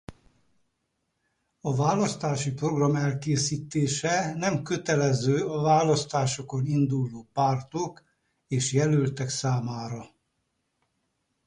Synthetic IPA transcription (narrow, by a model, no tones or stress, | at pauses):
ɒvaːlɒst̪aːʃipro̞ɡrɒmɛlkeːsiːt̪eːʃɛnɛmkø̞t̪ɛlɛzøːɒvaːlɒst̪aːʃo̞ko̞nind̪ulːoːpaːrt̪ok | eːʃjɛlølt̪ɛksaːmaːɾɒ